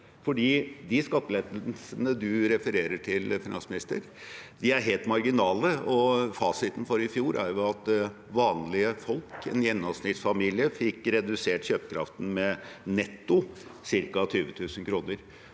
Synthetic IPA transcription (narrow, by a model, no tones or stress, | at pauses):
fɔɖiːd̪ɪskɑt̪ːəleːd̪əlsənəd̪ʉɾɛfəɾeːɾəʈʰɪlfɪnɑ̰nsmɪnɪst̪ə̰ɾ | d̪ɪæɾɦeːlt̪mɑɾɡɪnɑːləɔfɑːsɪt̪ən̩fɔɾɪfjuːɾʔæ̰ɾjʊɑt̪ | ʋɑːnlɪəfɔlkɛ̰njɛnːɔʋsnɪt̪sfɑmiːlɪəfɪkːɾɛd̪ʉseːʈɕøːpə̥kʰɾɑ̰ft̪n̩mɛnɛt̪ːʊsɪɾkɑt̪ʰyːʋət̪ʰʉːsnkʰɾuːnəɾ